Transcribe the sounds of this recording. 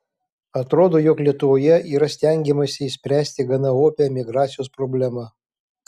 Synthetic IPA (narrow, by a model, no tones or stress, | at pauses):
ɐt̪ɾoːd̪oːjoklʲiɛt̪ʊʋoːjɛʔiːɾɐsʲt̪ʲɛŋʲɡʲɛmɐsʲɪɪsʲpʲɾʲæːsʲt̪ʲɪɡɐnɐoːpʲɛmʲɪɡɾɑːt̪sʲɪjoːspɾoːbʲlʲæmɐ